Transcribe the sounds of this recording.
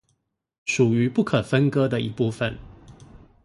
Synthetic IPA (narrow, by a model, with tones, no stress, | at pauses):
ʂu˨˩y˨˦pu˥˩kʰə˨˩fə˦nkɤ˥d̪ə˨i˧pu˥˩fə˨n